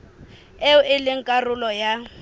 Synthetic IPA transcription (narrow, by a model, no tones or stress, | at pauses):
eʊɪlɪŋ̩kʼarʊlɔja